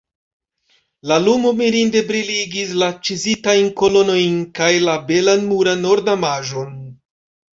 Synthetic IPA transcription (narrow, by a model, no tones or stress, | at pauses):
lalumo̞miɾinde̞bɾiliɡis̬lat͡ʃizitajnko̞lo̞no̞jnkajlabe̞lanmuɾano̞ɾdamaʒo̞n